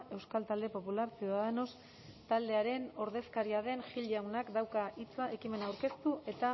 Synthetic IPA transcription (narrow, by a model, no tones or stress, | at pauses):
e̞wskalt̪ald̪e̞po̞pulaɾsiuðaðeno̞s | t̪ald̪e̞aɾe̞no̞ɾðe̞skaɾiað̞e̞nʝiʎawnakd̪awkaʔit͡sae̞kime̞nawɾke̞st̪uʔe̞t̪a